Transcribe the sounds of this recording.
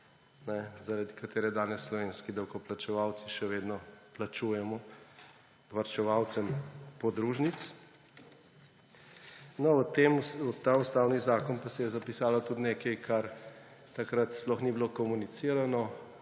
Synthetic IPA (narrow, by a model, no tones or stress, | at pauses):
nɛzaɾad̪ikat̪eːɾɛd̪aːnɛsːlɔʋeːnskid̪ɐwkɔplat͡ʃɛʋaw̪siʃɛʋeːd̪nɔplat͡ʃuːjɛmɔ | ʋaɾt͡ʃɛʋawt̪sɛmpɔd̪ɾuːʒnit̪s | nɔɔt̪emɔt̪ːaust̪aːwnizaːkɔnpasɛjɛzapisaːlat̪ud̪neːkɛjkʰaɾ | t̪akɾat̪splɔxniblokɔmunit̪siːɾanɔ